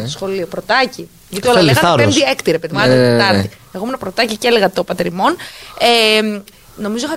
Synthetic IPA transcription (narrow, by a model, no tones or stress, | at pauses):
sxo̞liopɾot̪ɐci | ʝɐt̪iolɐeɣɐɐend̪iekt̪iɾepeðimɐet̪ɐɾt̪i | e̞ɣomenɐpɾot̪ɐciceleɣɐt̪opɐt̪eɾimo̞ne | no̞mizo̞ixɐ